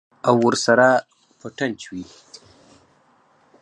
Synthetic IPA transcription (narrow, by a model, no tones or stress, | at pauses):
awːəɾsaɾa | pəʈant͡ʃwi